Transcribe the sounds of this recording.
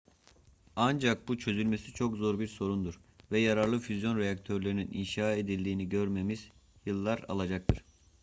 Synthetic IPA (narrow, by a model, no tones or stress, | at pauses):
and͡ʒak̚but͡ʃʰø̞zylʲme̞sit͡ʃʰo̞kzo̞ɾbiɾso̞ɾund̪uɾvɛjaɾaɾlˠɯfyzjo̞nɾejak̚t̪ʰøɾlʲe̞ɾinininʃaːe̞d̪ilʲd̪iːniɟø̞ɾme̞miz̥jɯlˠːaɾa̰lˠad͡ʒak̚t̪ʰɯɾ̥